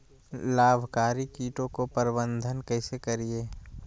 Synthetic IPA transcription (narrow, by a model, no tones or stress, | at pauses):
laːbʱkaːɾikiːʈõkopəɾɪbə̃nd̪ʱənkəɦɪsekəɾieː